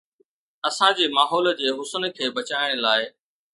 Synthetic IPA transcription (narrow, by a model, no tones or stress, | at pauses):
ɐsãd͡ʑeːmaːɦɔːl̆d͡ʑeːɦʊsənkʰeːbɐt͡ɕaːɪɽ̃əlaːɪ